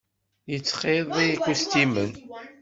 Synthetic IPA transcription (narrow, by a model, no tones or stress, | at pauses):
jət͡sːχeðˤiikʷːust̪imən